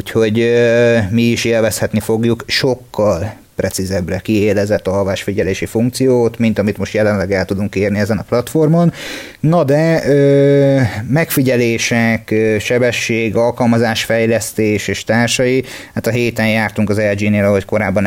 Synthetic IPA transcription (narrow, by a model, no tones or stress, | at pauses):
ucho̞ɟømiːʃeːlvɛshɛt̪nifo̞ɡjukʃo̞kʰːɒl | prɛtsizɛbrɛkieːlɛzɛt̪ːɒlvaːʃfiɟɛleːʃifuŋkt̪sijoːt̪mint̪ɒmit̪mo̞ʃt̪jɛlɛnlɛɡɛlt̪ud̪uŋkːeːrniɛzɛnɒplɒt̪fo̞rmon | nɒd̪ɛøː | mɛkfiɟɛleːʃɛkøʃɛbɛʃːeːɡɒlkɒlmɒzaːʃfɛjlɛst̪eːʃeːʃt̪aːrʃɒjihat̪ɒɦeːt̪ɛnjaːrt̪uŋkɒzɛld͡ʒiːneːlɒɦo̞cko̞ɾaːbːɒn